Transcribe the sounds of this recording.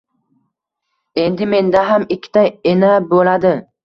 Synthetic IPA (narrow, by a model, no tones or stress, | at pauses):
e̞nd̪ɪme̞nd̪aɦamɪkʲʰːɪ̥t̪ʰajenabolad̪ɪ